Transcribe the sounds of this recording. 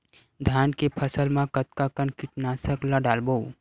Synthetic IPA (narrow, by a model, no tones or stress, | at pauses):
d̪ʱjaːnkepʰəsəlmãkɐt̪kakənkɪʈnaːsəklaɖaːlbow